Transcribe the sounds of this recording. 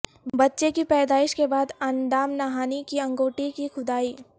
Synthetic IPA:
bɐtːʃekipɛːd̪aːɪʃkebaːd̪ɐnd̪aːmnaɦaːnikiɐ̃ŋɡoːʈikixʊd̪aːiː

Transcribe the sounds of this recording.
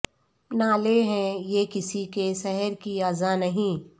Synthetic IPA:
naːleɦɛ̃jeːkɪsikesɛɦɛɾkiaːzanɐɦĩː

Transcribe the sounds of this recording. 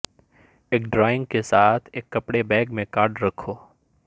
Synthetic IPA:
eːkɖɾaːɪ̃ŋɡkesaːt̪ʰeːkːɐpɽebɛ̃ːɡmẽkaːɾɖɾɐkʰo

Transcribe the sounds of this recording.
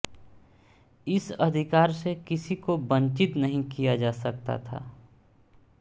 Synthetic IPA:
ɪsəd̪ʱɪkaːɾsekɪsikobə̃nt͡ʃɪt̪nəɦĩkijad͡ʒaːsɐk̚t̪a̰t̪ʰa̰ː

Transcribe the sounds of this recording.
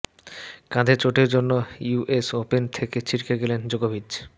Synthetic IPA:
kãd̪ʱet͡ɕoʈeɾd͡ʑonːouʔesopent̪ʰeket͡ɕʰiɾkeɡelend͡ʑoɡobʱidd͡ʑ

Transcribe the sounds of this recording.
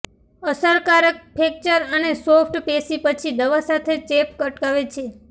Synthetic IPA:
əsəɾkaɾək̚pʰek̚t͡ʃəɾənesopʰʈpesipət͡ʃʰid̪əʋasat̪ʰet͡ʃepkəʈkaʋet͡ʃʰe

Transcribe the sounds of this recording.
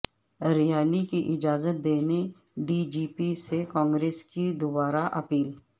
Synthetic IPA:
ɾɪjaːlikiʔɪd͡ʒaːzət̪̚d̪eːne | ɖiːd͡ʒiːpisekɔ̃ːŋɡɾeːskid̪ʊbaːɾaʔɐpiːl

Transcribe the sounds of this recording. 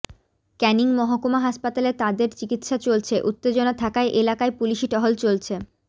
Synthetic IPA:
kɛniŋmɔɦokomaɦaʃpat̪alet̪ad̪eɾt͡ɕikit̪ʃat͡ɕolt͡ɕʰeʔut̪ːed͡ʑonat̪ʰakaeʔelakaepuliʃiʈɔɦolt͡ɕolt͡ɕʰe

